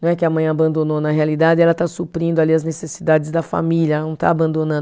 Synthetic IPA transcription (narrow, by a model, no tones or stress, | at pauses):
ɐ̃w̃ɛkɪɐmɐ̃j̃abɐ̃nd̪ononɐɦealid̪ad͡ʒɪɛlɐt̪asupɾĩd̪ʊaliɐznesesid̪ad͡ʒɪzd̪ɐfa̰miljɐnɐ̃w̃t̪a̰ːbɐ̃d̪õnɐ̃